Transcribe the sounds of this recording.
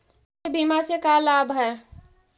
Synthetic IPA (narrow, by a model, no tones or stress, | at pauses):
ebiːmasekalaːbʱɐɛɾ